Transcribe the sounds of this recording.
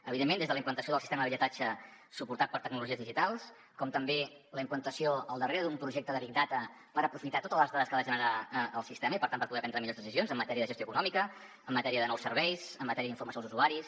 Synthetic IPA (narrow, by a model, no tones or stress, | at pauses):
əβiðemːend̪ezðələimplənt̪əsioðlˠsist̪eməðəβiʎət̪at͡ʃəsupuɾt̪at̪̚pəɾt̪əɡnuluʒiəzðiʒit̪alˠs | kɔmt̪əmbe | ləimplənt̪əsioəlˠd̪əreɾəðumpɾuʒɛk̚t̪əðəβik̚d̪at̪ə | pəɾəpɾufit̪at̪ot̪əzləzðaðəskaðaəʒənəɾaəlˠsist̪ɛməipəɾt̪anmpəɾpuðɛpɛnd̪ɾəmiʎozðəsizionzəmːət̪ɛɾiəðəʒəst̪joəkunɔmikə | əmːət̪ɛɾiəðənɔwsəɾβɛjzəmːət̪ɛɾiəðiɱfuɾməsõlˠzuzuaɾis